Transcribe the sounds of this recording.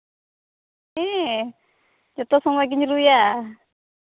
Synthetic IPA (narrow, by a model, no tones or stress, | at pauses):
ɛ | d͡ʒɔt̪ɔsɔŋwaɡiɲiɾuja